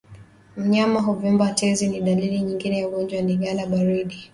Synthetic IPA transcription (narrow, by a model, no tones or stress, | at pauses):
m̩ɲamaɦɔvumbatʰɛziniɗaliliɲiŋɡinɛjauɡɔnd͡ʒwandiɡalaɓaɾiɗi